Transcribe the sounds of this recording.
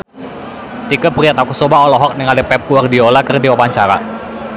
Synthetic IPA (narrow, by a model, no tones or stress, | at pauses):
t̪ikapəɾiat̪akusobaɔlɔɦɔk̚niŋalipɛp̚kuardiolakɨrdiwapaɲt͡ʃaɾa̰